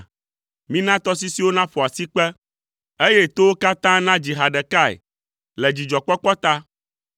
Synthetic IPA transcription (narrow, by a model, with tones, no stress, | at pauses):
mĩ˦nã˦t̪ɔ˦s̬i˦si˦wo˦nã˦ɸɔ˨a˨si˦k͡pɛ˦ | e˦jɛ˦t̪o˦wo˦ka˦t̪ã˦nã˦d͡ʑi˨ɦa˨ɖɛ˨ka˦ɛ̰˨ | lɛ˨d͡ʑi˨d͡ʒɔ˨k͡pɔ˦k͡pɔ˦t̪a˦